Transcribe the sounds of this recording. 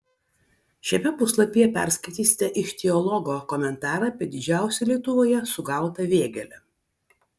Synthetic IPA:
ʃʲɛmʲɛpʊslˠɐpʲijɛpʲæ̰ɾʲsʲkɐɪt̪ʲiːsʲɪ̥t̪ʲɛʔɪʃt̪ʲɛɔlˠɔɡoːkɔmʲɛnt̪ɑːɾɐɐpʲiɛd̪ʲɪd͡ʒʲæˑʊsʲɛlʲiɛt̪ʊʋoːjɛsʊɡɐˑʊt̪ɐʋʲeːɡʲɛlʲɛ

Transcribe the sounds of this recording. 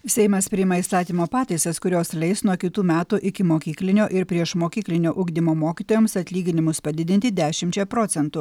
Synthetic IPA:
sʲɛɪmɐspʲɾʲɪjɪmɐist̪ɑːt̪ʲiːmoːpɑːt̪ɐɪsɐskʊɾʲoːslʲɛɪsnuɔkʲɪt̪uːmʲæːt̪uʔɪkʲɪmoːkʲiːklʲɪnʲoːʔɪɾpʲɾʲiɛʃmoːkʲiːklʲɪnʲoːʔʊɡd̪ʲɪmoːmoːkʲiːt̪oːjoːmsɐt̪ʲlʲiːɡʲɪnʲɪmʊspɐd̪ʲɪd̪ʲɪnʲt̪ʲɪd̪ʲæːʃʲɪmʲt͡ʃʲɛpɾoːt̪sʲɛnt̪ʊ

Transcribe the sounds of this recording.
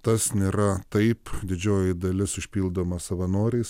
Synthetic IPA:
t̪ɐsnʲeːɾɐt̪ɐɪpd̪ʲɪd͡ʒʲoːjɪd̪ɐlʲɪsʊʃʲpʲiːlˠd̪oːmɐsɐʋɐnoːɾʲɛɪs

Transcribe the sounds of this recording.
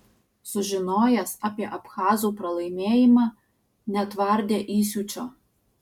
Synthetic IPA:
sʊʒʲɪnoːjɛsɑːpʲiɛʔɐpxɑːzuːpɾɐlˠɐɪmʲeːjɪmɑː | nʲɛt̪ʋɐɾʲd̪ʲeːʔiːsʲuːt͡ʃʲoː

